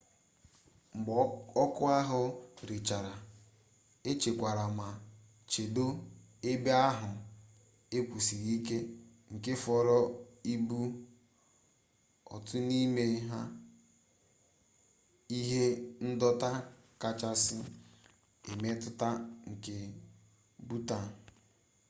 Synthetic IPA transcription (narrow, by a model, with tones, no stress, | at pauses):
m̩˨ɡ͡bɔ˦kʊ˦a˦ɦʊ˦ɾi˨t͡ʃa˨ɾa˨ | e˦t͡ʃe˨kʷa˨ɾa˨ma˨ | t͡ʃe˨do˦ | e˦be˦a˦ɦʊ˨ | e˦kʷu˨si˨ɾi˦ke˦ | ŋ̩˨ke˦fɔ˨ɾɔ˦i˦bu˦ | ɔ̰˨tʊ˦ni˦me˨ɦa˦ | i˦ɦe˦n̩˦dɔ˦ta˦ | ka˨t͡ʃa˦sɪ˦ | e˨me˦tʊ˦ta˦ŋ̩˨ke˦ | bu˦ta˨